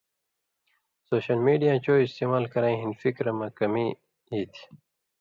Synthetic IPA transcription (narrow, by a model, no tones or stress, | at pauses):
soːɕɐlmiːɖijãːt͡ɕoːist̪eːmaːlkɐɾãːĩɦinfikɾɐmɐkɐmiː | ɦiːt̪ʰ